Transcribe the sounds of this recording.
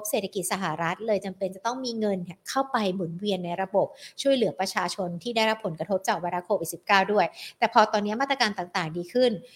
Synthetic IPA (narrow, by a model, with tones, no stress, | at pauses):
p̚se˨˩t̪ʰa˧ki˨˩t̪̚sa˧ɦa˨˩ɾa˦˥t̪̚lɤː˧jt͡ɕa˧mpe˧nt͡ɕa˨˩t̪ɔ˥˩ŋmiː˧ŋɤ˧n˧˩kʰa˥˩wpa˧jmu˨˩˦nwi˧ənːa˧jɾa˧bo˨˩p̚t͡ɕʰu˥˩əjlɯ˩˦ɐpɾa˧t͡ɕʰaː˧t͡ɕʰo˧nt̪ʰiː˥˩da˥˩jɾa˦˥pʰːo˩˦nkɾa˧t̪ʰo˦˥p̚t͡ɕaː˨˩k̚wa˧nɾaː˧˥kʰoː˧wi˨˩t̪̚si˨˩p̚kaː˥˩wdu˥˩əjt̪ɛː˨˩pʰɔː˧t̪ɔː˧nːi˦˥ɐmaː˥˩t̪ɾa˧kaː˧nt̪aː˨˩ŋt̪aː˨˩ŋdiː˧kʰɯ˥˩n